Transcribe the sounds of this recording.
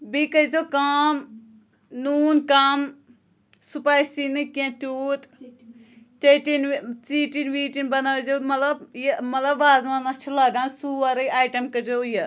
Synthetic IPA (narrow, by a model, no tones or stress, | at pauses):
bikɐd͡ʒokam | nuːnkam | supaːjsinɨkẽt̪uːt̪ | t͡ʃɐʈint͡siːʈinʋiːʈinbɐnazomɐt̪lɐbjemɐt̪lɐbːaːzʋanat͡ʃʰilɐɡãːnsuːʋɐɾɨaːjʈɐmkɐd͡ʒojɐ